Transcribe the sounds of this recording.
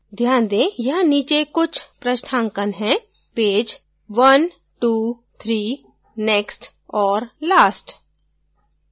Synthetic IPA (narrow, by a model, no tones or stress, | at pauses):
d̪ʱjaːnd̪ẽːjɐɦniːt͡ʃekʊt͡ʃʰpɾəʃʈʰãːŋkənɦɛ̃ː | peːd͡ʒ | ʋən | ʈuː | t̪ʰɾiː | nɛːksʈ | ɔːɾlaːsʈ